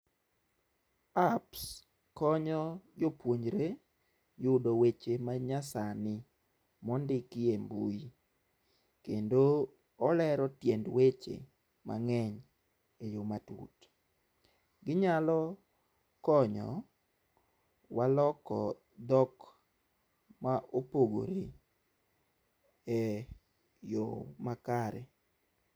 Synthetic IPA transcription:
aps | kɔɲɔd͡ʒopwoɲɾe | jʊdowet͡ʃemaɲasanɪ | mɔndɪkɪembṵi | kendo | ɔlɛɾɔtjendwet͡ʃḛ | mʔa̰ŋɛɲ | ejomatṵt | ɡɪɲalɔ | kɔɲɔ̰ | walɔkɔ | d̪ɔk | maʔopoɡo̰ɾe | ɛ | jomakaɾɛ

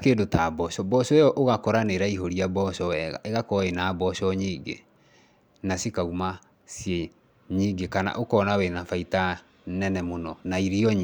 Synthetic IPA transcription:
keːdotabɔɕɔbɔɕɔɔʔoɣakɔɾaneɾaiɦoɾiabɔɕɔɛɣa̰ʔeɣakɔenabɔɕɔɲiːɡḛ | nasikauma | sje | ɲiːɡekana̰ʔokɔːnawenafaita | nɛnɛmonɔnaiɾiɔɲ

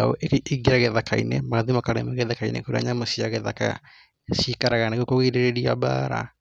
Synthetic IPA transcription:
ao̰ʔiɡeɾaɣeðakʰainemaaðimakaɾḛmɛɣeðakainḛkoɾea̰ɲamosiaɣɛðaka̰ | sikaɾaɣaneɣokoɣeɾeɾeɾiaba̰ɾa̰

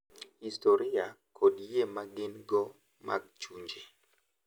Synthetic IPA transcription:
histoɾiakʰodjemaɡɪnɡɔ | mʔa̰ɡ̚t͡ʃuɲd͡ʒe

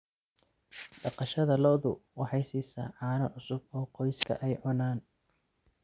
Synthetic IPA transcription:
ɖ̥ɑqɑʃɐðɐlɔːðʊwɑħɑjsiːsɐ̰ːʕɑːnɐʕʊsʊb̚ɔːqɔjskʰɐ̰ʔɛjʕʊnaːn

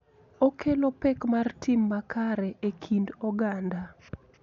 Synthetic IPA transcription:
okʰelopɛkmartɪmːakaɾɛʔekʰindɔɡanda

